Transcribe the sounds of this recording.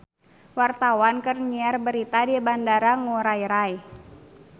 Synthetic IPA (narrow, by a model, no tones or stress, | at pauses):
wart̪awankərɲiarbəɾit̪adibandaɾaŋuɾajɾaj